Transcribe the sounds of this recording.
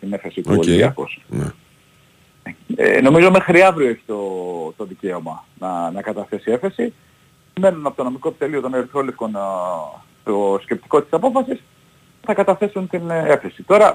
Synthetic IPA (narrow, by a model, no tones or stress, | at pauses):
t̪ine̞fesit̪uoliɐ̰ko̰sn | ḛno̞mizo̞me̞xɾiɐvɾioe̞çi̥t̪o̞t̪o̞ðice̞o̞mɐ | nɐnɐkɐt̪ɐθe̞sie̞fe̞si | me̞nunɐpot̪ono̞mikoepit̪elio̞t̪o̞neɾθɾolefko̞n | t̪osce̞p̚t̪i̥ko̞t̪t̪isɐpo̞fɐsis | θɐkɐt̪ɐθe̞sunt̪ine̞fe̞sit̪o̞ɾɐ